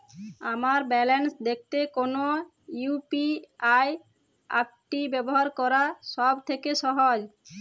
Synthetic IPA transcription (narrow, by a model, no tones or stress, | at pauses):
amaɾbɛlensd̪ek̚ʰt̪ekono | jupiaj | a̰k̚ʈibɛboɦaɾkɔɾaʃɔbt̪ʰekeʃɔɦod͡ʑ